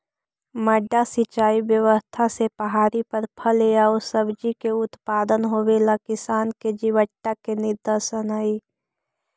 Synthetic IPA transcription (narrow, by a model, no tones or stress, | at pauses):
məɖasɪt͡ʃaːibjəʋəst̪ʰasepəɦaːɾipəɾpʰəlejaosəbd͡ʒikeʊt̪paːd̪ənɦoʋeːlakɪsaːnked͡ʒiʋəʈːakenɪɾd̪əsənaːi